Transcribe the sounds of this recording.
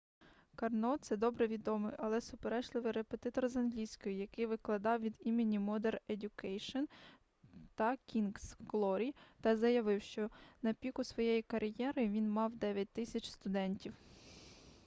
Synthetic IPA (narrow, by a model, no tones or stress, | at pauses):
kɐrnɔt̪sɛd̪ɔbɾɛʋʲid̪ɔmɪ̰jʔɐlˠɛsʊpeɾɛʃlˠɪʋɪjɾepet̪ɪt̪ɔrzɐnɦlʲijsʲkɔjʊjɐkɪjʋɪklˠɐd̪ɑwʋʲid̪imʲɪnʲimɔd̪eredʲʊkɛjʃɔn | t̪ɐkʲinɡsklˠɔɾʲijt̪ɑzɐjɐʋɪwʃt͡ʃɔnɐpʲikʊsʋɔjejikɐɾjɛɾɪʋʲinmɑwd̪ɛʋʲɐt̚ʲt̪ɪsʲɐt͡ʃʲst̪ʊd̪ɛnʲtʲiw